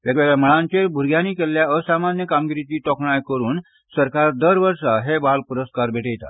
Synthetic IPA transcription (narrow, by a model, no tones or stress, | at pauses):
ʋjəɡʋeɡɭaməɭãɲt͡ɕeɾbʱuɾɡʱjanikeljaəsamanjəkamɡiɾit̪iːt̪ɔkɳajkəɾuːn | səɾkaɾd̪əɾʋəɾʂaɦebalpuɾəskaɾbʱeʈejt̪a̰